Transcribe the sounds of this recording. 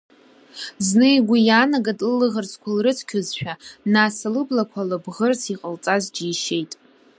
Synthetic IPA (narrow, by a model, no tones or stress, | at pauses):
znɨiɡʷijanaɡadlɨlɨʁərt͡sʰkʷʰalrɨt͡sʰkʲʰʊzʃᶣanasalɨblakʷʰalabʁərt͡sʰiqʼəlt͡sʼazd͡ʒiːʃe̞jtʼ